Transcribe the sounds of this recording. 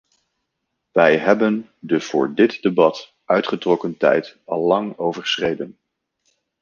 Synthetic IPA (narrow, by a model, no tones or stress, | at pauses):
ʋɛjɦɛbən | dəv̥ʊ̰ːɹdɪtdebɑt | ʔœɥtχətrɔkəntɛ̰jtɑlˠːɑŋowvəɹχsrejdən